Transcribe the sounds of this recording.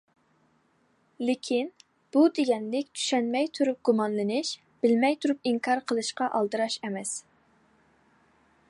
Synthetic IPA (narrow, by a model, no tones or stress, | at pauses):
lɪkʲʰin | b̥ud̪eɡʲɛnlɪkʲt͡ʃ̪ʰy̥ʃɛnmɛjt̪ʰuɾup̚ɡ̥umɑnlɨnɪʃ | b̥ɪlmɛjt̪ʰuɾupiŋkʰɑɾqʰəlˠɨʃqɑʔɑlˠd̪ɨɾɑʃɛmɛs